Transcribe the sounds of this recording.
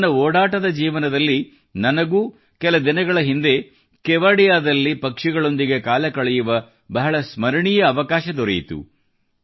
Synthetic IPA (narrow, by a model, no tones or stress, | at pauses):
nɐoːɽaːʈɐd̪ɐd͡ʒiːʋɐnɐd̪ɐlːi | nɐnɐɡuː | kɛlɐd̪inɐɡɐɭɐɦind̪e̞ | kɛʋaːɽijaːd̪ɐlːipɐkʂiɡɐɭo̞nd̪iɡe̞kaːlɐkɐɭɛjuʋɐ | bɐɦɐɭɐsmɐɾɐɳijɐːʋɐkaːʃɐd̪ɔɾɐjit̪ṵ